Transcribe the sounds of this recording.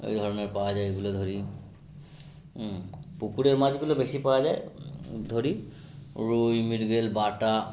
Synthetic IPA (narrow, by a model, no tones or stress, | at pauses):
ḛjd̪ʱɔɹɔnɔɹpawazajeɡuled̪ʱoɹi | pukuɾeɹmad͡ʑɡulɔbesipawazajd̪ʱoɹi | ɹujmidɡelbata